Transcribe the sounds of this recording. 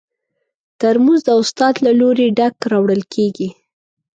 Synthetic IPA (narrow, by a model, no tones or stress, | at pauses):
t̪aɾmuzd̪əʊst̪ɑd̪laloɾeɖakɾɑwɽəlkʰeɡi